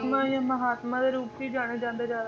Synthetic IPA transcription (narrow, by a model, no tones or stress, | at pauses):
ŋãjãməɦaːt̪mãd̪eɾuːpʰiːd͡ʒaːɽ̃ed͡ʒãːnd̪ed͡ʒaːɾ